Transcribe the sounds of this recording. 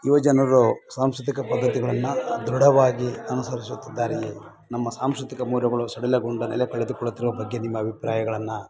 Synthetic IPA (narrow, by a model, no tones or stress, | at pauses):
iʋɐd͡ʒɐnɐɾusaːmskut̪̬ikɐpɐd̪ːɐt̪iɡɐɭɐnːud̪ɾuɽɐʋaːɡiɐnusɐɾisut̪ːid̪ːaːɾi | nɐmːɐsaːmskɾut̪ikɐmuːɾjɐɡɐɭusɐɽilɐɡuɳɖɐnɛ̰lɛkɐɭed̪ukɔɭːut̪ːiɾuʋɐbɐɡːe̞nimːɐːbʱipɾaːjɐɡɐɭɐnːu